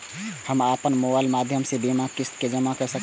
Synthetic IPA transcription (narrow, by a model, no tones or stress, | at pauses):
həmaːpənmobaːɪlmaːd̪ʱjəmsebimakɪst̪ked͡ʒəmakəɾsək